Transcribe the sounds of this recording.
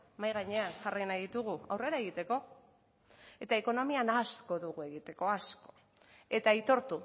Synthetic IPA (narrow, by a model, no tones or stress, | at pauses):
majɣaɲe̞anʝarijnajðit̪uɣuawre̞ɾae̞ɣ̞it̪e̞ko̞ | e̞t̪aeko̞no̞mianasko̞ðuɣue̞ɣit̪e̞ko̞asko̞̥ | e̞t̪ait̪o̞ɾt̪u